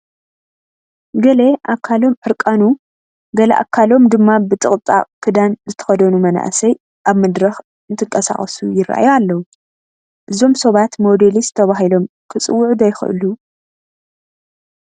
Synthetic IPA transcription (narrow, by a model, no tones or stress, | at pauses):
ɡɐleʔakʰːalo̞mʕɨɾkʼanu | ɡɐlɐ̰ʔa̰kʰːalo̞md̪ɨmːabɨt̪ʼɨχʼt͡s̪ʼa̰kʰɨd̪anzɨt̪ʰɐ̥xɐd̪ɐnumɐna̰ʔsɐj | ʔaβmɐd̪ɾɐx | ɨnt̪ʰɨŋkʼɐsa̰xʼɐsujɪɾːa̰ʔa̰jalːɐwu | ʔɨzo̞msɐβat̪mo̞d̪elizɨt̪ʰɐβaɦilo̞m | kʰɨt͡sʼɨwːʊʕd̪ɐjxɨ̰ʔɨ̰lu